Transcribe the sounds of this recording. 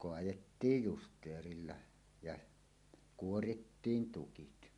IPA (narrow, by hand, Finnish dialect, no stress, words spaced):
koɑjetːiːj justˑeːrilːɑ jɑ kuoritːiːn tukit